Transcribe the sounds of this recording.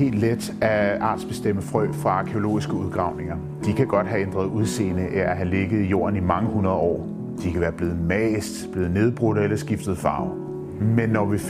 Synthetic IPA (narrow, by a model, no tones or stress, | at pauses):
e̝̰ːld̥led̥ | æʔɑ̈ːd̥sb̥e̝sd̥em̰əfʁœːfʁɑ̈ɑ̈kʰeo̝lo̝̰ːisɡ̥əuð̞ˠɡ̥ʁɑ̈ʊne̝ŋɐ | d̥ikʰæɡ̥ɒ̽d̥ɦæend̥ʁɐð̞̩ˠuðˠse̝̰ːnəʔeæɦæle̝ɡ̥əð̩ˠijo̝̰ːɐnimɑ̈ŋəhunʁɐð̞ˠɒ̰ː | d̥ikʰæʋæːɐb̥le̝ːð̩ˠmɛːsd̥b̥le̝ːð̩ˠne̝ð̞ˠb̥ʁɔd̥elɐsɡ̥ifd̥ð̩ˠfɑ̈ʊ | menːɒʋif